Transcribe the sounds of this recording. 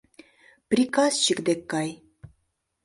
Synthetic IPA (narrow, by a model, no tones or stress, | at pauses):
pɾʲikasʃikd̪ekːaj